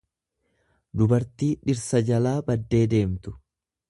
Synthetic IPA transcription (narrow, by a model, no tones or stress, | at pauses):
d̪ʊbɐɾt̪iːᶑɪɾsɐd͡ʒɐlaːbɐd̪ːe̞ːd̪e̞ːmt̪ʊ̥